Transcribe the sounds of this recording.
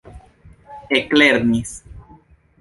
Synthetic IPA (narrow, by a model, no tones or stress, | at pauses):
ekleɾnis